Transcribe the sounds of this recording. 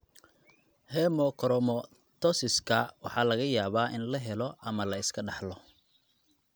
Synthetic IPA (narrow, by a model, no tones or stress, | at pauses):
hɛmɔkʰɔɾɔmɔ | t̪ʰɔsɪskʰɐwɑ̰ħɑːlɐɣɐjaːβaːʔɪnlɐɦɛlɔʔɐmɐlɐɪskʰɐɖɑħlɔ